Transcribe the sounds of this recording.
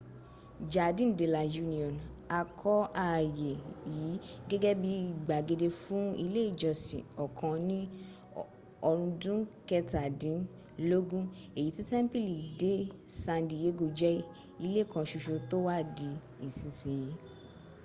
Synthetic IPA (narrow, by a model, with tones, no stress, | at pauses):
d͡ʒa˨dĩ˦˨n̩˨de˨la˨ju˦nĩ˨ɔ̃˨na˧kʰɔ˦a˦˨je˨ji˨˦ɡɛ˦ɡɛ˦bi˧˦i˦˨ɡ͡ba˨ɡe˧de˧fũ˦i˧le˦i˦˨d͡ʒɔ˨sḭ̃˨ɔ˨kʰã˧nĩ˦ | ɔ˧ɾ̃ũ˧dũ˦kɛ˧ta˨dĩ˨˦n | lo˦ɡũ˦ | e˨ji˨˦ti˦tɛ˦m˦pi˦˨li˨de˨˦sã˧ndi˨je˨˦ɡo˧˨d͡ʒɛ˦ | i˧le˦˨kã˧ʃu˧ʃo˧to˦wa˦di˧ | i˨sĩ˨sĩ˨ji˨˦